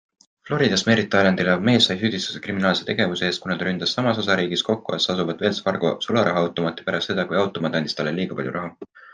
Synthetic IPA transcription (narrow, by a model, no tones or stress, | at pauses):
flo̞ɾid̪̥ɑsme̞ːɾit̪ːˑɑljɑnd̪̥ilɑvme̞ːsːɑjsyd̪̥ist̪u̥sekriminɑːlse̞t̪e̞ɡ̥e̞vuseeːst̪kunɑd̪ɾynd̪̥ɑsːɑmɑs̬o̞sɑɾiːɡisko̞kːuḛsɑsuvɑd̪eːlsfɑrɡ̥osulɑɾɑɦwt̪ːˑo̞mɑt̪ːˑi̥pæɾɑst̪se̞d̪̥ɑkujɑwt̪ːˑo̞mɑd̪ɑnist̪ɑlelːiːɡ̥ɑpɑlʲjṵɾʔɑɦu